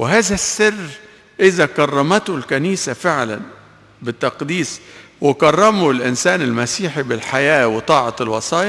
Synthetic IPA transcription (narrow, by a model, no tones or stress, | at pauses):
wɪɦaːzasːɪrː | ʔɪzakɑrˤːɑmat̪ʊlkaniːsafɪʕla̰n | bɪt̪ːɑqd̪iːs | wɪkɑrˤːɑmʊlʔɪnsaːnɪlmasiːħibɪlħajaːwɪt̪ˤɑːʕɑlwɑsˤɑːjɑ